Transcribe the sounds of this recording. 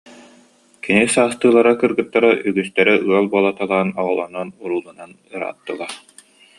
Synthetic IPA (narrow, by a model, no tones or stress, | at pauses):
kinisaːst̪ɯːlˠaɾakɯɾɡɯt̪ːaɾaʔyɡyst̪ɛɾɛʔɯɐlˠbuɔlˠat̪alˠaːnɔʁɔlˠɔnɔnuɾuːlˠɯnan | ɯɾa̰ːt̪ːɯlˠa